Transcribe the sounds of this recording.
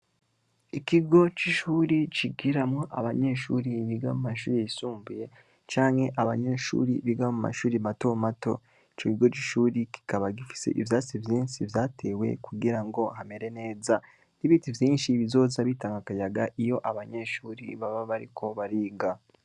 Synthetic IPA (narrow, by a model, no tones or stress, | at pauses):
ikiɡo̞t͡ʃiʃuːɾit͡ʃiɡiɾamŋoʔa̰βaɲe̞ʃuːɾiβiɡamumaʃuːɾijisuːmbuje̞ | t͡ʃaːŋhe̞ʔaβaɲe̞ːʃṵːɾiβiɡamuma̰ʃuːɾiβatomato̞̰ | it͡ʃokiɡo̞t͡ʃiʃuːɾiki̥kaβaɡifi̥sḛʔivjaːt͡sivjiːnsivjaːtʰe̞ːwe̞̰kuɡiɾaŋɡo̞hameɾe̞ne̞ːza | niβitivjiːnʃiβizo̞ːzaβiːtaŋɡakajaɡaʔijo̞ʔaβaɲe̞ʃuːɾḭβaβaβaɾḭkʰo̞βaɾiːɡa